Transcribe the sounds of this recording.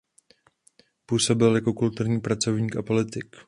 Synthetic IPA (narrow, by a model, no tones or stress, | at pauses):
puːso̞bɪljako̞kult̪uɾɲiːpɾat͡so̞vɲiːkapo̞lɪt̪ɪk